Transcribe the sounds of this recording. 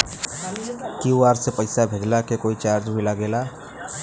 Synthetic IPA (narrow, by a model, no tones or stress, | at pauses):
kuaːɾsepəɪsabʱed͡ʒlakekoːit͡ʃaːɾd͡ʒbʱilaɡeːlaː